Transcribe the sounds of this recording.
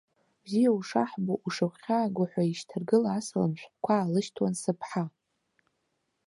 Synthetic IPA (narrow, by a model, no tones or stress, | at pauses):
bzijauʂa̰ħboʔuʂaχʲaːɡʷʊħʷaiʃtʰɨrɡɨlaːsala̰mʃʷᶣkʷʰaːlɨʃtʰwansɨpʰħa